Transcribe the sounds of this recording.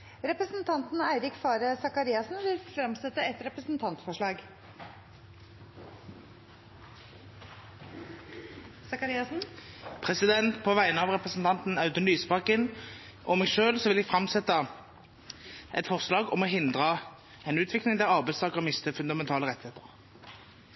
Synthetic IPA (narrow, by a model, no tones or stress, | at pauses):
ɾɛpɾəsnt̪ʰɑnt̪n̩æɪɾɪkfɑːɾəsɑkɑɾiːɑsnʋɪlfɾɑmsɛt̪ːəɛt̪ɾɛpɾəsn̩t̪ʰɑnt̪fɔʂɭɑːɡ | sɑkɑɾɪɑsn̩pʰʁɛsɪd̪ɛnt̪pʰɔʋæɪənəɑːʋʁɛpʁəsn̩t̪ʰɑnt̪n̩ɑʉt̪ənʋyːspɑkən | ʔɔmɛɡʃøːlsɔʋɪlɛɡfʁɑmsɛt̪ːɑ | ʔɛ̰t̪fɔʁslɑːɡɔmɔɦɪnd̪ʁɑ | ɛnʉːt̪ʰʋɪklɪŋd̪æʁɑʁbæɪst̪ɑːkəʁmɪst̪əfʉnd̪ɑmɛnt̪ʰɑːləʁɛt̪ɪheːt̪əʁ